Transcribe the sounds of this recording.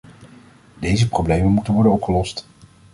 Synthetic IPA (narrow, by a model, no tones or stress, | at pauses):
dejzəprowblejmənmutənʋɔɹdənɔpχəlɔst